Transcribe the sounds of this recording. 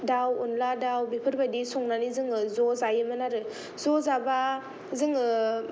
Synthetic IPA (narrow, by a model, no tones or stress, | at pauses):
dawunladawbipʰɯɾbajdisɔŋnanizɯŋɯzɔzajɯmɯnaɾɯ | zɔzaba | zɯŋɯ